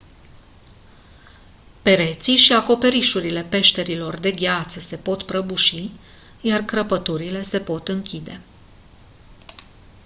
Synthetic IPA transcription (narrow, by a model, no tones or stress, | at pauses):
pe̞ɾe̞t̪siʃiako̞pe̞ɾiʃuɾile̞pe̞ʃt̪e̞ɾilo̞rd̪e̞ɡʲat̪səse̞po̞t̪pɾəbuʃi | jarkɾəpət̪uɾile̞se̞po̞t̪ɨŋkʲid̪e̞̰